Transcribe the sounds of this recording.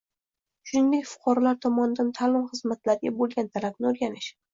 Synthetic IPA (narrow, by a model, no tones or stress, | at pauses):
ʃʊnɪnd̪ekʲfʊ̥qʰɑɾalaɾt̪ʰɒmɒnɪd̪ant̪ʰalɪmχɨzmat̪laɾɪɡʲabolˠɡʲant̪ʰalab̚nɪoɾɡʲanɪʃ